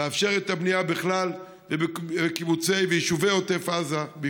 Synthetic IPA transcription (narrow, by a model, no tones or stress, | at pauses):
eafʃe̞ʁet̪abniabeχlal | vebeekibut͡se̞jvejiʃuvejot̪efazab